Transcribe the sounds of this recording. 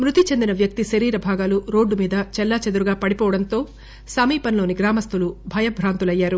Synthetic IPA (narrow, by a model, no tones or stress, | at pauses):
mɾut̪it͡ʃe̞nd̪inɐʋjɐk̚t̪iʃɐɾiːɾɐbʱaːɡaːluɾoːɖːumiːd̪ɐt͡ʃɛlːaːt͡ʃɐd̪uɾuɡaːpɐɽipɔːʋɐɽɐnt̪o̞ː | sɐmiːpɐnlo̞ːniɡɾaːmɐst̪ulubʱɐjɐbʱɾaːnt̪ulɐjːaːɾu